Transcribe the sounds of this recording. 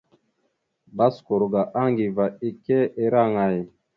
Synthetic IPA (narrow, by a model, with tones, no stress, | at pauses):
ba˦sko˨ɾɡa˨ʔa˦ŋɡi˨va˨i˨kɛ˦e˨ɾa˦˨ŋa˨ji˨